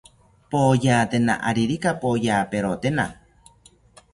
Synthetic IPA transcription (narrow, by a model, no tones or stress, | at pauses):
pojaːt̪ena̰ʔa̰ɾiɾikapojaːpeɾot̪ena